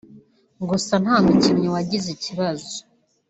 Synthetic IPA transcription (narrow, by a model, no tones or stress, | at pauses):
ŋɡusan̥haːnucimɲowaɟiziciβazo